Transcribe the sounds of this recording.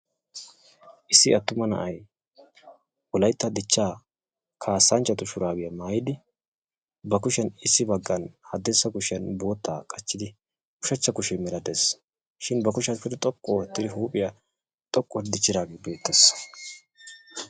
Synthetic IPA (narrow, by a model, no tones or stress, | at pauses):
ʔɪsːɪɐt̪ːʊmɐnɐ̰ʔɐj | wɔlɐjt̪ːɐd̪ɪt͡ʃːaː | kʰaːsːɐnt͡ʃːɐt̪ʊʃʊɾaːbɪjɐmaːjɪd̪ɪ | bɐkʊʃɛnɪsːɪbɐɡːɐnhɐd̪ːɛsːɐkʊʃɪɐnbo̞ːt̪ːaːkʼɐt͡ʃːɪd̪ɪ | kʊʃɛt͡ʃːɐkʊʃɛmɛlɐd̪es | ʃɪnbɐkʊʃɐnfɪd̪ɛt̪ʼɔkʼːɔwɔt̪ːɪd̪ɪɦuːpʼɪjɐ | t̪ʼɔkʼːɔɾd̪ɪt͡ʃːɪd̪aːɡebe̞ːt̪ːɛs